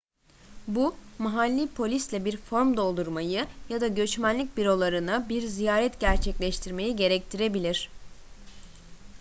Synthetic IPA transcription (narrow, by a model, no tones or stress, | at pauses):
bumaɦalʲːipʰo̞lʲislʲɛbiɾfo̞ɾmd̪o̞lˠd̪uɾmajɯjad̪aɟø̞t͡ʃmænlʲic̚ʲbiɾo̞lˠaɾɯnɯbiɾzijaːɾɛt̪ɟæɾt͡ʃʰɛclʲɛʃt̪ʰiɾme̞jiɟe̞ɾɛc̚t̪ʰiɾe̞bilʲiɾ̝̥